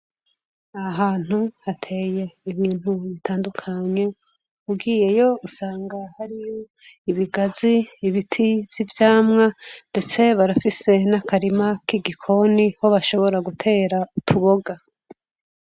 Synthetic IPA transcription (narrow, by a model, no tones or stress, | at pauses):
aɦaːn̥huhatʰe̞ːje̞iβiːn̥huβitʰaːndukʰaɲe̞ | uɡiːje̞jo̞usaːŋɡahaɾijo | iβiɡaziːβitʰivjivjaːmŋande̞t͡se̞βaɾafise̞nakʰaɾimakiɡikʰo̞niho̞βaʃo̞βo̞ɾaɡutʰe̞ːɾautʰuβo̞ɡa